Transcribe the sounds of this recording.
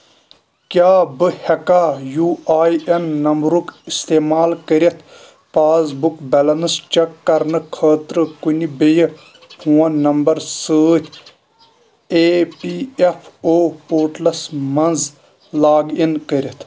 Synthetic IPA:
kʲaːbɨhɐkaːjuːaːjɐnːɐmbɾukist̪eːmaːlkəɾit̪ʰ | paːzbukbɐlɐnɨst͡ʃɐkːɐɾnɨkʰəːt̪ɾɨkunibej | pʰũːɐnɐmbɐɾsəːt̪ʲʰ | eːpiefʰoːpoːʈlɐsmɐnz | laːɡinkəɾʲit̪ʰ

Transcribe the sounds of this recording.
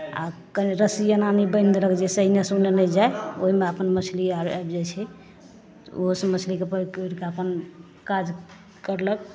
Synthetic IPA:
a̰kənɾəsijananibənd̪ələkd͡ʒesəinesunenəd͡ʒaeoɦimeəpənmət͡ʃʰliaɾajbd͡ʒɛt͡ʃʰɛ | oɦsəmət͡ʃʰlikepəkɾkeəpən | kad͡ʒ | kəɾlək̚

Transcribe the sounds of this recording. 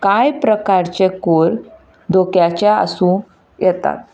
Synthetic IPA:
kajpɾəkaɾt͡ɕekoɾ | d̪okjat͡ɕjaə̰sũ | jɛt̪a̰t̪̚

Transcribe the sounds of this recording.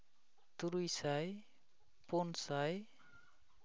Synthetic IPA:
t̪uɾujsaj | ponsaj

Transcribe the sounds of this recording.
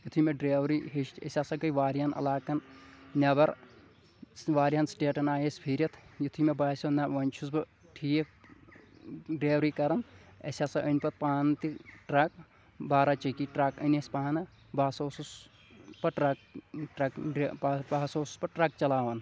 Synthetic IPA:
jit̪ʰumeɖɾeːʋɾiɦiʃesʲaːsɐɡɐjʋaːɾianɐ̰laːkɐnnʲɐbɐɾ | ʋaːɾiɐnsʈeːʈɐnaːjespʰiːɾʲɐt̪ʰjit̪ʰumebaːsʲonaʋɐnʲt͡ʃʰusbɨ | ʈʰiːje | ɖɾeːʋɾikɐɾɐnɐ̰sʲaːsɐʔɐnʲpɐt̪̚paːnt̪iʈɾɐk | baːɾaːt͡ʃɐkiːʈɾakənesʲpaːnɐ | baːsoːsus | pɐʈɾɐk̚ʈɐk | baːsoːsu̥spɐʈɾɐk̚t͡ʃɐlaːʋɐn

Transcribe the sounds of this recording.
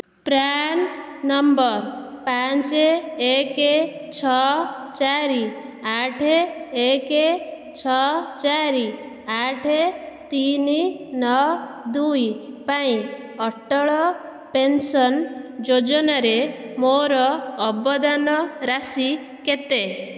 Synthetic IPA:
pɾanː | ɔmbɔɾ | pat͡ʃeeket͡ʃʰɔt͡ʃaɾiaʈʰeːke | t͡ʃʰɔt͡ʃaɾi | aʈʰet̪ininɔd̪ujpaĩ | ɔʈɔɭɔ | pensɔnd͡ʒod͡ʒɔnaɾemoɾɔːbɔd̪anɔɾasi | ket̪e

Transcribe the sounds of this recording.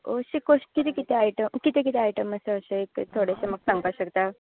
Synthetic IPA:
oɕikoʂʈ̚kit̪ekit̪ɛaiʈəmkit̪ekit̪ɛajʈəməseəɕekt̪ʰoɽeseməɡsãŋɡaɕəkt̪a

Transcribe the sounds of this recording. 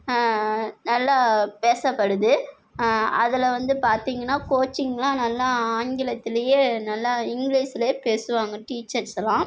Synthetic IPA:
nɐlːapeːsɐpːɐɽɯðɯ | ɐðɪlɐʋɐnd̪ɯpaːɾt̪iːŋɡɐnːaːkoːt͡ʃːɪŋɡɐlãːnɐlːaaːŋɡɪlɐt̪ːɪlɐjeːnɐlːaɪŋɡliːsɪlɐeːpeːsɯʋaːŋɡɐʈiːt͡ʃːɐɾsɐlãː

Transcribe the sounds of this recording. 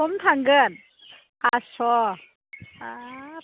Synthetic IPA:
ɔmt̪ʰaŋɡən̚ | asɔ | a

